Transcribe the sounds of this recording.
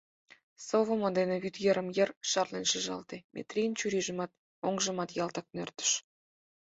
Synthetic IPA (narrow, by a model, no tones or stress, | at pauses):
sovŏmod̪enĕβyt̪jeɾə̆mjə̆rʃɑrlenʃəʒɑ̰lt̪emʲʔḛt̪rʲint͡ɕyɾiʒə̆mɑt̪ | oŋʒə̆mɑt̪jɑlt̪ɑk̚nørt̪ə̥ʃ